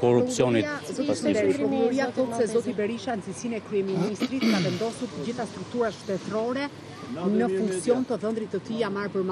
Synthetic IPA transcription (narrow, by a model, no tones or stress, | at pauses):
kɔɾusjɔnizɔʃd̪ɛɾipɔuɔɾiaθɔt̪sɛzɔt̪ibɛɾiʃanzisinɛkɾyɛminist̪ɾit̪kavɛnd̪ɔsuɾt̪əd͡ʑiθast̪ɾuk̚t̪uɾaʃt̪ɛt̪ɾɔɾɛ | nəfuŋksjɔnt̪əðənd̪ɾit̪ːət̪iamaɾpəɾma